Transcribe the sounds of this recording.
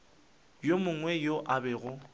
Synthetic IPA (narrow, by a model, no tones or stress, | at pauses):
jomʊŋwɛjoʔabɛɣʊ